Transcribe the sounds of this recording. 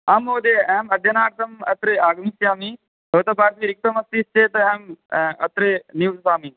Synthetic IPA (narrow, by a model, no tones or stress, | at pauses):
ɐmoːd̪eɛmɐd̪ʱjɐnaːɾt̪ɐmɐt̪ɾeaːɡmisjaːmi | ot̪ɐbʱaːɾt̪iːɾɪk̚t̪ɐmɐst̪ist͡ʃeːt̪ɐɛmɐt̪ɾeniwt̪ɐsaːmi